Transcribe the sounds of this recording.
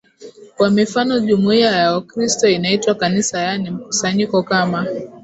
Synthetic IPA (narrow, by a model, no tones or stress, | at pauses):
kwamifanɔʄumuiajaakɾistɔinaitwakanisajanim̩ku̥saɲikɔkama